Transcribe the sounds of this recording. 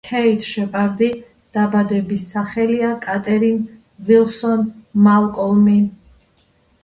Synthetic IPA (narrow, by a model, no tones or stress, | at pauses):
kʰɛit̪ʰʃɛpʼaɾd̪i | d̪̥abad̪ɛbisaχɛliakʼat̪ʼɛɾin | vilsɔnmalˠkʼɔlˠmi